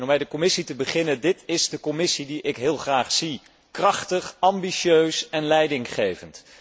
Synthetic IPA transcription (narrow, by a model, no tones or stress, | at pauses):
nɔmɛjdəkɔmɪsitəbəχɪnəndɪtɪzdəkɔmɪsidiʔɪkɦɪːlˠχraːχsi | krɑχtəχɑmbiʃøɥsɛnlɛjdɪŋχejvənt